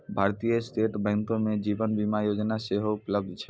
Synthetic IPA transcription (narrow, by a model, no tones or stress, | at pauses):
bʱaɾt̪ijəsʈeʈbɛ̃ŋk̪õmed͡ʒibənbimajod͡ʒnaseɦoʊpləb̚d̪ʱt͡ʃʰɛ̥